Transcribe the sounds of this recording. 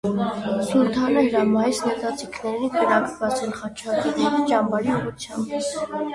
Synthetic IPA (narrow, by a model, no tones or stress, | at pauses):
suɾt̪ʰɑnəhəɾɑmɑjisnət̪ɑt͡sikʰnɛɾikəɾɑkbɑt͡sɛlχɑt͡ʃʰɑt̪id͡ʒɑmbɑɾiuʁut͡sʰjɑmb